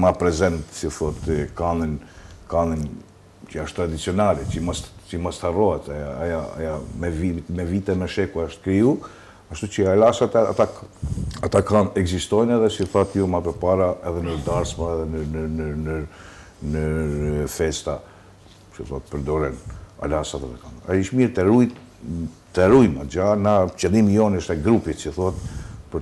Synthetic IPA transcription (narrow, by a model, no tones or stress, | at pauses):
mapɾɛzɛnt̪siθɔt̪kaninkanin | t͡ʃəaʃt̪ːɾad̪it͡siɔnalɛt͡ʃəmast͡ʃəmast̪harɔhɛt̪aaajaa̰jamɛvimɛvit̪ɛmɛʃɛkuaaʃt̪kɾiu | aʃt̪ut͡ʃəalasat̪ɛa̰t̪a | at̪akanɛɡzist̪ɔjnɛðɛsiθat̪jɔmapəɾpaɾaɛðɛnəɾd̪aɾsmaɛðɛnənənənə | nəfɛst̪a | t͡ʃəθɔat̪̚pəɾd̪ɔɾɛna̰lasat̪atɛkanaiʃmiɾt̪ɛɾuj | t̪ɛɾujmad͡ʒanat͡ʃɛlˠimijɔnəʃt̪ɛɡɾupit͡ʃəθɔhat̪pəɾ